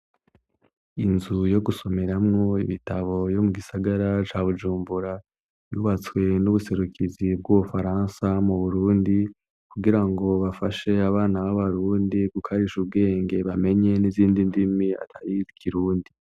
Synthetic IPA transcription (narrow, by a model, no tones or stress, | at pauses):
inzujo̞ɡuso̞me̞ɾamŋo̞iβitaβo̞jo̞muɡisaɡaɾat͡ʃaːβud͡ʒuːmbuɾa | juːβat͡swe̞nuβuse̞ɾukʰizib̚ɡuβufaɾaːnsamuβuɾuːndi | kuɡiɾaŋɡo̞βafaʃe̞aβaːnaβaβaɾuːndiɡukʰaɾiʃub̚ɡe̞ːŋɡe̞βame̞ɲe̞niziːndindimia̰tʰaɾiɾikʰiɾuːndi